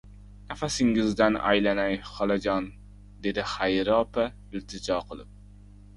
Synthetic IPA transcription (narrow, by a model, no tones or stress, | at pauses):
nɛfæsɪŋɪzd̪ɛnɑ̰jlænɛjχɑlˠɑd͡ʒɑn | d̪ed̪ɪχæjɾɑpa | ylt̪ʰɪd͡ʒɑːqʰəlˠɨp̚